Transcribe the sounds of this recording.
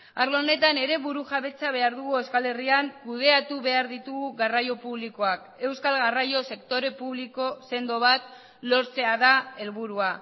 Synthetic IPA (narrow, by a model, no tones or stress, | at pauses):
aɾlone̞t̪ane̞ɾe̞βuɾuʝaβe̞t͡saβ̞e̞aɾðuɣue̞skale̞riaŋkuð̞e̞at̪uβe̞aɾðit̪uɣuɣarajo̞puβliko̞ak | e̞wskalɣarajo̞se̞kt̪o̞ɾe̞puβ̞liko̞se̞nd̪o̞β̞at̪ | lo̞ɾt͡se̞aðae̞lβuɾua